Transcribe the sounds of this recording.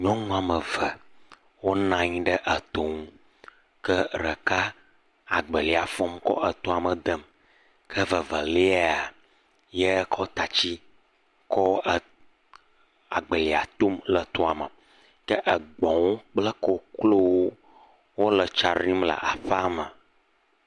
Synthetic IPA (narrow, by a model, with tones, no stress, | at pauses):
ɲɔ̃˦ŋũ˦a˨mə˨və˨ | wo˦nã˦ɲĩ˦ɖə˦ʔə˨t̪o˨ŋũ˦ | kə˦ɾə˨ka˦ | a˨ɡ͡bə˨li˨a˨fɔ˦mkɔ̰˦ʔə˨t̪ɔ̃˦a˨mə˨d̪ə˦m | kʰə˦və˨və˨li˦a˨ | jə˦ko˦t̪a˨t͡ɕi˦ | kɔ˦ə˨ | a̰˨ɡ͡bə˨li˨a˨t̪o˦mlə˨t̪ɔ˦a˨mə˨ | kə˦ʔə˨ɡ͡bɔ̃˨wo˦k͡plə˦ko˦klo˦wo˦ | wo˦lə˨t͡ʃa˨ɾĩ˦mlə̰˨ʔa˨ɸə˦a˦mə˨